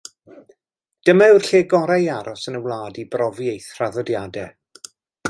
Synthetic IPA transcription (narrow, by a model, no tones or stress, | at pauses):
d̥əmaɨwrɬeːɡɔɾajaɾɔsənəwlˠaːdibrɔvjejθr̥aðɔdjadɛ